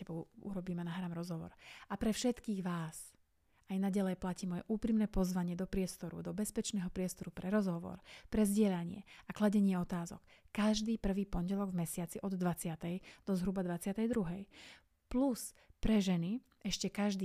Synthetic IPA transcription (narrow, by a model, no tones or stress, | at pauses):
ɛbɔṵɾɔbiːmɛnaɦɾaːmɾɔzɦɔʋɔ̰ɾapɾɛfʃɛt̪kiːɣʋaːs | ajnaɟalɛjplaciːmɔjɛ̰ʔuːpɾimnɛːpɔzʋaɲɪɛd̪ɔpɾɪɛst̪ɔɾṵd̪ɔbɛspɛt͡ʃnɛːɦɔpɾɪɛst̪ɔɾupɾɛɾɔzɦɔʋɔ̰ɾpɾɛzɟɪɛʎaɲɪɛ̰aklaɟɛɲɪɛɔt̪aːzɔ̰kː | aʒd̪iːpr̩ʋiːpɔɲɟɛlɔɡvmɛsɪat͡siʔɔd̪ːʋat͡sɪat̪ɛjd̪̥ɔzɦɾubad̪ʋat͡sɪat̪ɛjd̪ɾuɦɛj | pluspɾɛʒɛni | ʔɛʃcɛkaʒd̪iː